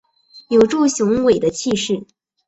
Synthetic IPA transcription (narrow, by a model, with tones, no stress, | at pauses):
jo˨˩ʊʈ͡ʂu˥˩ɕjʊ˧˥ŋwe˨˩ɪd̪ə˦t͡ɕʰi˥˧ʂɻ̩˥˩